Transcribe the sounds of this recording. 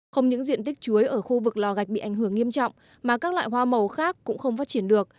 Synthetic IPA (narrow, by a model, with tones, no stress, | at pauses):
xə˧wŋ͡mɲɨ̰˧˥ŋzḭ˧˨ənt̪ï˦˥k̟̚t͡ɕu˨˦əjʔəː˧˩xu˧vɨ˨˩k̚lɔ˨˩ɣa˨˩jk̚ɓḭ˧ʔa˧˩jŋ̟ɦɨ˧˩əŋːi˧əmt͡ɕɔ̰˧˨wŋ͡m | maː˨˩kaː˦˥k̚lwa̰ː˧˨jɦwaː˧mə˨˩wxaː˦˥k̚ːʊ̰˧˥ŋ͡mxə˧wŋ͡mfaː˦˥t̚t͡ɕi˧˩ənɗɨ˨˩ək̚